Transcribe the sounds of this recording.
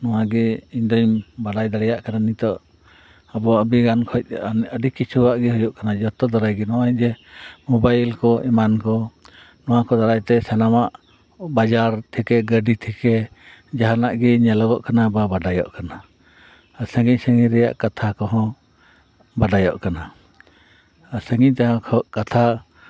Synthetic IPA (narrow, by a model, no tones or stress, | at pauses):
nɔwaɡɛiɲd̪ɔɲbaɖajd̪aɽɛjaʔkananit̪ɔʔ | abɔaəbiɡankʰɔc̚ˀnəɖikit͡ʃʰuwaʔɡɛɦɔjɔʔkanad͡ʒɔt̪ɔd̪aɾajɡɛnɔwaɛɲd͡ʒɛmɔbajlkɔʔɛmankɔ | nɔwakɔd̪aɾajt̪ɛsɛnamaʔ | bad͡ʒaɾt̪ʰɛkɛɡəɖit̪ʰɛkɛ | d͡ʒaɦanaʔɡɛɲɛlɔɡɔʔkanababaɖajɔ̰ʔkana | səŋɡiɲsəŋiɾɛja̰ʔkat̪ʰakɔɦɔ̃ | baɖajɔ̰ʔkana | səŋɡiɲt̪aɦãkʰɔʔkat̪ʰa